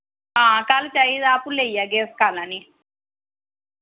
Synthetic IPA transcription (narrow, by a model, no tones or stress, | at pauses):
aːkaːlut͡ʃajid̪aːpulːejaɡeːskaːlani